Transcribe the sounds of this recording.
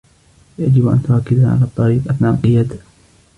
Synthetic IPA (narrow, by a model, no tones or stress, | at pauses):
jad͡ʒɪbʔa̰nt̪ʊʔakːɪd̪aʕa̰laːt̪ˤːɑɾiːqʼɑt̪naqɨjːat̪